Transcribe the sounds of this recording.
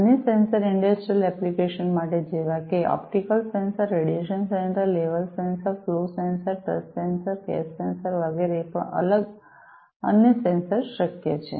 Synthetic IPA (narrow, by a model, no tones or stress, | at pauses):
ənəsẽnsəɾiɳɖəsʈɾijəlɛplikeʃənmaʈed͡ʒeʋakeʔɔ̰p̚ʈikəlsẽnsəɾːeɽijeʃənsẽnʈəɾleʋəlsẽnsəɾflosensəɾʈə̰ssẽnsəɾɡɛ̰sːensəɾʋəɡeɾepə̰ə̰ləɡ | ə̰njəsẽnsəɾʃəkjet͡ʃʰḛ